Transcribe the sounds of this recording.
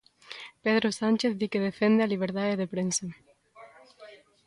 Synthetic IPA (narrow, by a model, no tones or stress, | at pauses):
peðɾosanʲt͡ʃeθðikeðefend̪ealiβ̞eɾðaðeðepɾensa